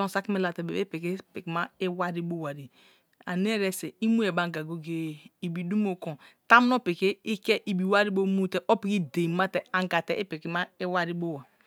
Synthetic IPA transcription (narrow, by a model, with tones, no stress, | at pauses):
õ˦˨sa˦ki˦me˦la˨te˨be˨e˦pe˨ke˦pe˨kma˦e˦wa˦ɾi˦bo˦˨wa˨ɾi˨ | a̰˨ne˦ɾɛ˦se˨i˦mu˦e˨ba˨ŋ˨ɡa˨ɡo˦ɡe˦˨i˨bi˨du˦mo˨ko˨ta˦m˦no˦pe˨ke˦i˦kɛ˦ʔi˨bi˨wa˦ɾi˦bo˦mu˦te˦ʔo˦pi˨ki˦de˨i˨ma˦tɛ˨a˨ŋ˨ɡa˨tɛ˨ʔi˦pe˨ki˨˦ma˦i˦wa˦ɾi˦bo˦˨wa˨